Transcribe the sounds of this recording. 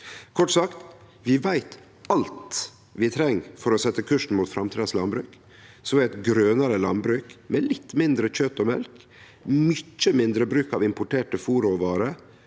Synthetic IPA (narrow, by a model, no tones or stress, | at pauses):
kʰɔʈsɑkt̪ | ʋɪʋæɪt̪ | ɑlt̪ | ʋɪt̪ʰɾɛŋːfɔɾɔsɛt̪ːəkʰʉʂn̩muːt̪fɾɑmt̪ʰid̪əslɑnbɾʉːk | sɔʋɪæt̪ɡɾøːnəɾəlɑ̰nbɾʉːkmɛlɪt̪ːmɪnd̪ɾəc͡çøt̪ːɔmɛ̰lk | mʏt͡ʃːəmɪnd̪ɾəbɾʉːkɑʋɪmpʊʈʰeːʈəfuːɾɔʋɑːɾə